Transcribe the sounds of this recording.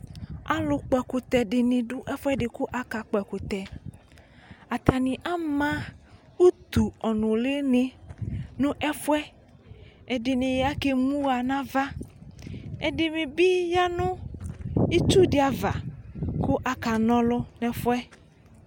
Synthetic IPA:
a̰˦lʊ˨k͡pɛ˨kʊ˨t̪ɛ˨ɖɪ˨nĩ˨dʊ˦ʔɛ˦fwɛ˦ɖɪ˨kʊ˦ʔa˨ka˨k͡pɛ˨kʊ˨t̪ɛ˨ | a˨t̪a˨nĩ˨ʔa˦mã˦ | u˦t̪u˨ɔ˨nʊ̃˨le˦nɪ̃˦nʊ̃˦ʔɛ˦fwɛ˦ | ɛ˨dɪ˨nɪ̃˨ja˦ke˦ŋũ˦a˨nã˦va˦ | ɛ˨dɪ˨mĩ˨bi˦ja˦nʊ̃˦ | i˦t͡ʃu˦dɪ˦a˨va˨kʊ˦ʔa˨ka˨nɔ̃˦lɔ˦nɛ̃˨fwɛ˦

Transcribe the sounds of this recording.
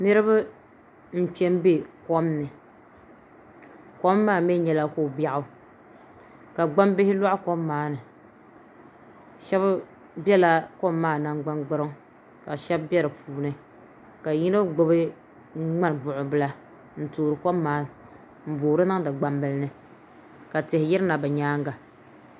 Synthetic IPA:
nɨ˦ɾɨ˦ba˦ | n̩˦t͡ʃɛ˦mbe˦kɔ˦mnɨ˨ | kɔ˦mːaː˦˨mɛ˦ɲɛ˨la˦ko˦˨ba˦ʔʊ˦ | ka˨ɡ͡ba˦m˦bɪ˦hɪ˦la˦ʔʊ˦kɔ˦mːaː˨˦nɨ˨ | ʃɛ˦b | bjɛ˦la˦kɔ˦mː˦aː˦˨na˦ŋɡ͡ba˦nɡ͡bɨ˦ɾɨ˦ŋ | ka˨ʃɛ˦bbɛ˦ɾɨ˨puː˨nɨ˨ | ka˨ji˦no˦ɡ͡bʊ˦bɨ˦ | ŋ͡ma˦n˨bʊ˨ʔʊ˨bɨ˦la˦ | n̩˨toː˨ɾɨ˨kɔ˦mː˦aː˦ | m̩˨boː˨ɾɨ˦na˦ŋdɨ˨ɡ͡ba˦mbɨ˦lnɨ˨ | ka˨tɪ˨hɪ˨jɪ˦ɾɨ˦na˨bɨ˨ɲaː˦ŋɡa˨

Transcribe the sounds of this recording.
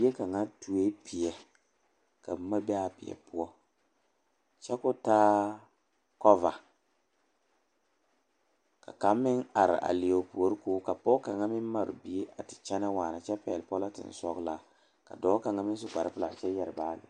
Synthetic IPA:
e˦ka˨ŋa˦tu˨e˦pi˨ɛ˨ | ka˨bma˦bɛ˦a˦pɪ̰˨ɛ̰˨pʊ˦ɔ˦ | t͡ʃɛ˦kʊ˦taː˦ | kɔ˦va˨ | ka˨ka˨˦mːɪ˦na˨ɾɪ̰˨ʔa̰˨li˨o˨pu˨o˨˦ɾɪ˦kʊː˦ka˨pɔ˦ka˨ŋa˦mɪ˦n˦ma˨ɾʊ̰˨bi˨e˦ʔa˨tɪ̥˨t͡ʃɛ˦na˦waː˨na˨t͡ʃɛ˦pɛ˨lpɔ˦la˦tɪ̰˨n˨sɔ˦ɡla˦ | ka̰˨dɔː˨˦ka˨ŋa˦mɪ˦n˦s̬ʊ˦ka˨ɾɪ˦pʊ˦la˨t͡ʃɛ˦jɛ˨ɾbaː˦lɪ̰˨

